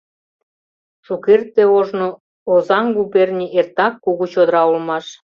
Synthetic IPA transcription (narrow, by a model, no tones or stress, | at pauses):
ʃukert̪ːeoʒno | ozɑŋɡuβernʲiert̪ɑkːuɣut͡ɕod̪əɾɑulmɑʃ